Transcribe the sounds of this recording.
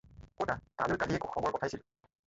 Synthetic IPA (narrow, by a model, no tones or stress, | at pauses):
kotatalʊɹkadʱiɛkuxɔbɔɹkɔtʰajsil